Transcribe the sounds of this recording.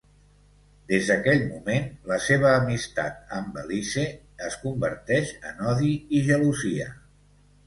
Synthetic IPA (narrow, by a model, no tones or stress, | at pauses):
d̪ezðəkɛʎmumenləseβ̞əːmist̪a̰t̪̚əmbəlise | əskumbəɾt̪ɛʃə̰nɔðiiʒəluziə